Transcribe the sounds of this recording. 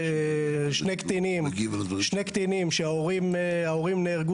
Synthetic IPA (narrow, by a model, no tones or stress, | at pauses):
ʃnekt̪inimɡvʃnekt̪inimʃeaoʁimaoʁimneːʁɡu